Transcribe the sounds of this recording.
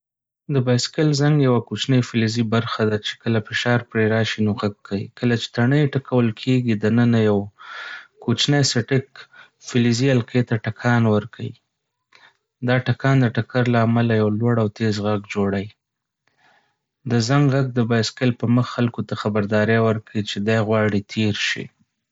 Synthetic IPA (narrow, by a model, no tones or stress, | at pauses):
d̪əbɑjskɪlzaŋɡjawakot͡ʃnəjfɪlizibaɾxad̪at͡ʃe̥kəlafɪʃɑɾpɾeɾɑʃinoɣaɡʰːawḭkəlat͡ʃe̥t̪aɳəjʈakʰawəlkʰeɡid̪ənənajaw | kot͡ʃnəjsɪʈɪk | fɪlizialqet̪aʈakʰɑnwəɾkʰawḭ | d̪ɑʈakɑnd̪əʈakaɾlaːmalajawlwaɽawt̪ezɣaɡd͡ʒoɽaj | d̪əzaŋɡɣaɡ̚d̪əbɑjskɪlpəməxːalkot̪axabaɾd̪ɑɾewəɾkait͡ʃed̪ɑjɣwɑɽit̪ʰeɾʃḭ